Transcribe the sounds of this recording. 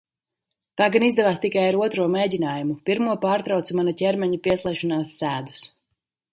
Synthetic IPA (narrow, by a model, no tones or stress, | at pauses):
t̪aːɡanizd̪ɛvaːst̪ikajaɾuɔt̪ɾuɔmeːdʲinaːjumupiɾmuɔpaːɾt̪ɾawt̪sumanacʲɛɾmɛɲupiɛslˠɛjʃɔnaːsːæːd̪u̥s